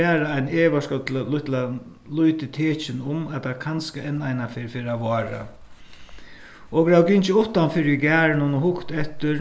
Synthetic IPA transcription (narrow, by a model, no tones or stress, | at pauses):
ɛːɾaaɪneːʋaʂkɔt̪ʰɪlalʊt̪la | lʊjt̪ɪt̪ʰeːt͡ʃɪnʊmat̪akʰanskaɛnːajnafɪɾfɪːɾaʋɔːɾa̰ | ɔɡɾawkɪɲt͡ʃɪʊht̪anfɪːɾɪɪɡæːɹnʊnʊhʊkt̪ɛht̪ɪ